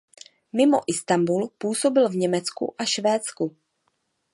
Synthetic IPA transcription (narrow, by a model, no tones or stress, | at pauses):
mɪmo̰ʔɪst̪ambulpuːso̞bɪlvɲɛmɛt͡skṵʔaʃvɛːt͡sku